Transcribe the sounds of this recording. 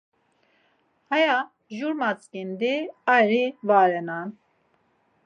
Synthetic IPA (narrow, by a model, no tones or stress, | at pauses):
haja | ʒuɾmat͡skind̪iajɾivaɾɛnan